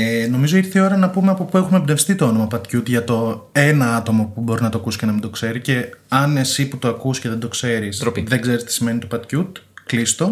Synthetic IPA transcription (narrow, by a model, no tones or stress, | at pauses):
eno̞mizo̞iiɾθeio̞ɾɐnɐpumeɐpo̞pue̞xumebnefst̪it̪o̞o̞no̞mɐpɐt̪cut̪ʝɐt̪o̞e̞nɐɐt̪o̞mɐpubo̞ɾinɐt̪oɐkusi̥cenɐmind̪o̞kse̞ɾice̞ɐne̞siput̪o̞ɐkusce̞ðed̪o̞kse̞ɾisiðeɡze̞ɾist̪i̥sime̞nit̪opɐt̪cut̪klist̪o̞